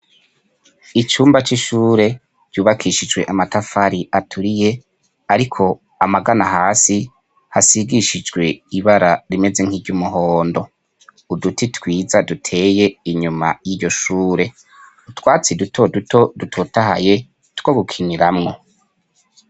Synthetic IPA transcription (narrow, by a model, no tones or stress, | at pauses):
it͡ʃuːmbat͡ʃiʃuːɾe̞ | d͡ʒ̥ɟ̥uːβakʰiʃid͡ʒwe̞ʔamatafaɾiʔatʰuɾije̞ | aɾikʰo̞ | amaɡanahaːsi | hasiɡiʃid͡ʒɡwe̞iβaɾaɾime̞ze̞ŋ̥hiɾɟumuɦoːndo̞ | udutitwiːzadutʰe̞ːje̞iɲuma̰jiːɟo̞ʃuːɾe̞ | utwaːt͡sidutʰo̞dutʰo̞dutʰotaɦa̰je̞ | two̞ɡukʰiɲiɾamŋo̞